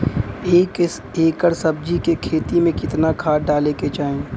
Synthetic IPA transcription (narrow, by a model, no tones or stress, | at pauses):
k | eːkəɾsɐb̚d͡ʒikekʰeːt̪imẽkɪt̪nakʰaːɖaːleket͡ʃaːẽː